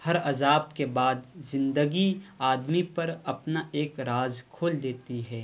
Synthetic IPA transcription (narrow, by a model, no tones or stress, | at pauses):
hɐɾɐzaːb̚kebaːd̪zɪ̃nd̪əɡiaːd̪mipɐɾɐpnaʔeːkɾaːzkʰoːld̪eːt̪iɦɛː